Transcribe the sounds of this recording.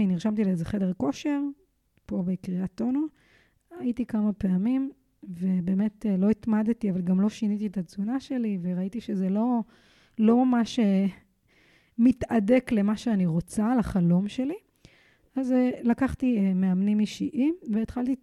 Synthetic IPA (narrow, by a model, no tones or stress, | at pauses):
iniʁʃamt̪̬ileezeχe̞de̞ʁko̞ʃe̞ʁ | po̞bekʁiat̪ːo̞no | aitikamapeamim | ve̞be̞ːme̞tlo̞itmad̪tiavalɡamlo̞ʃinit̪ietat͡sunaʃe̞liveʁaitiʃezelo̞ | lo̞mamaʃe | mitade̞kle̞maʃeaniʁo̞t͡salaχalo̞mʃe̞li | azlakaχtiemeamnimiʃiʔimveːt̪χalt̪i